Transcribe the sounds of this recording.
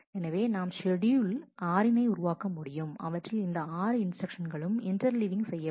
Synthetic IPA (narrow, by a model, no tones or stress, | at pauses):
ɛnɐʋeːnaːmsɛɽɪjɯlaːɾɪnɐɪʊɾʊʋaːkɐmʊɽɪjɯmɐ̰ʋɐʈrɪlɪnd̪ɐaːɾɯɪnsʈɾɐkʂɐnɡɐɭɯmɪndɐɾlɪʋɪŋɡsɛjːɐ